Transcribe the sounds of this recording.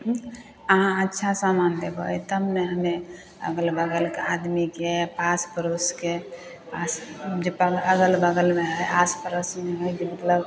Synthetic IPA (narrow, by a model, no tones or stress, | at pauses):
əɦãətːʃʰasamand̪ebəjt̪əbneɦəme | ə̰ɡəlbəɡəlkead̪mikepaspəɾoske | asd͡ʒepəəɡəlbəɡəlmeɦəjaspəɾəsmeɦəjd͡ʒemət̪ləb